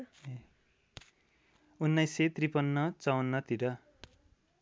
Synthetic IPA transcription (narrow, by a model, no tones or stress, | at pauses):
unːʌjset̪ripʌnːʌt͡sʌwʌnːʌt̪iɾʌ